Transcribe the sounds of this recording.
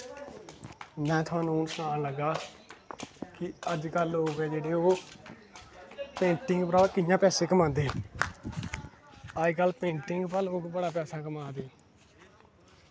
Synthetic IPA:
mɛ̃ːt̪ʰʊʋãːnuːnsənaːnləɡaː | kɪəd͡ʒkəlɦoːɡɛːd͡ʒeːɽeːoː | pẽːɳʈɪŋɡpɾaːkɪjãːpɛːseːkəmãːnd̪eː | aːikəlpẽːɳʈɪŋɡpəloːkbəɽaːp̬ɛːsaːkəmaːd̪eː

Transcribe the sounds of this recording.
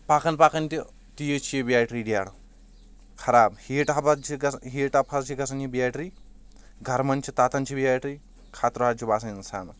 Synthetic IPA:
paːkɐnpaːkɐnt̪i | t̪ijet͡ʃʰijebijaːʈɾiːɖijaːɽɐ | kʰɐɾaːbhiːʈɦɐbɐt͡ʃʰiɡɐɦeːʈɐpʰɐst͡ʃʰiɡɐsɐnibijaːʈɾiː | ɡʱɐɾmɐnt͡ʃʰit̪aːt̪ɐnt͡ʃʰibijaːʈɾiː | kʰaːt̪ɾɦaːt͡ʃʰibaːsɐninsaːnɐ

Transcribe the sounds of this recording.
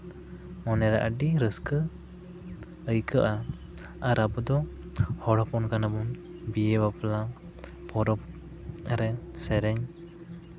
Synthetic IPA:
mɔnɛɾaʔaɖiɾəskə | əjkəʔa | aɾabɔd̪ɔ | hɔɽɔpɔnkanabun | bijɛbapla | pʰɔɾɔp̚ | aɾɛsɛɾɛɲ

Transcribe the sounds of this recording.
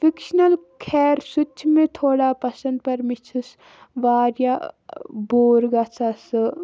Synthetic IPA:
fikʃnɐlkʰɛːɾsʊt͡ʃt͡ʃʰmẽt̪ʰoːɽapɐsɐ̃nd̪̚pɐɾmɪt͡ʃʰus | ʋaːɾja | boːɾɡɐt͡sʰasɨ

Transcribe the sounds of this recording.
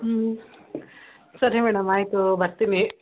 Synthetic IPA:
sɐɾiemɛːɽɐmaːit̪ubɐɾt̪ini

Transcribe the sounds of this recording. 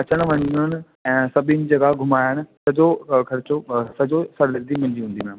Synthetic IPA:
ɐt͡ɕəɽ̃̆ʋɐɲijʊnɪ̆ | ɛ̃ːsɐbʱɪnɪ̆d͡ʑɐɡaɡʱʊmaːjəɽ̃ɪ̆sɐd͡ʑokʰɐɾɪt͡ɕosɐd͡ʑosɐɽlɐɾd̪imɐ̃ɲd͡ʑiɦũːnd̪ĩ

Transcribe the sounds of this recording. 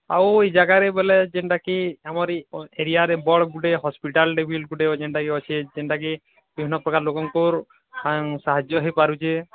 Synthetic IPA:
a̰wed͡ʒaɡaɾebeled͡ʒeɳʈakiamɔɾeɾijaɾebɔɭɡuɖeɦɔspiʈalɖebʱilɡuʈeod͡ʒeɳʈakiɔt͡ʃʰed͡ʒeɳʈaki | bibʱinːɔpɾɔkaɾlokɔŋkuɾ | saɦad͡ʒjɔɦepaɾut͡ʃʰe

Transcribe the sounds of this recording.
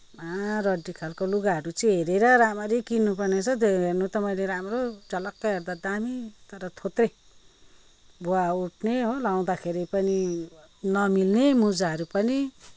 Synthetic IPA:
arʌɖːikʰalkoluɡaɦʌɾut͡siɦeɾeɾʌɾamʌɾekinːupʌrnet͡sʰʌd̪eɡɦernut̪ʌmʌjleɾamrot͡sʌlʌkːaɦerd̪ad̪amit̪ʌɾʌt̪ʰot̪re | boauʈʰneɦolaw̃d̪akʰeɾipʌni | nʌmilnemud͡zaɦʌɾupʌni

